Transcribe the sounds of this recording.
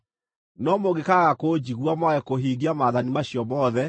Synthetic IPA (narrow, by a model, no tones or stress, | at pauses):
nɔmoɣekaɣakod͡ʑiɣwamwaɣɛkoɦiːɣiamaːðanimaɕjɔmɔðɛ